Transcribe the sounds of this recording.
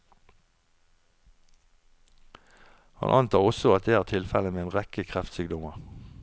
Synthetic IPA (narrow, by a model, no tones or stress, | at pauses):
hɑ̰nʔɑnt̪ʰɑːʁɔsɔɑt̪̚d̪eːæːʁt̪ʰɪlfɛləmeːeːnʁɛkəkʰʁæft̪syːɡ̚d̪ɔməʁ